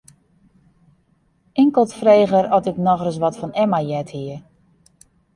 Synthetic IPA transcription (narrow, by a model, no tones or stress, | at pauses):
ɪŋkəlˠtfreːɣəɾɔtɪknɔɣrəs̬ʋɔtfɔnɛmajɛthiə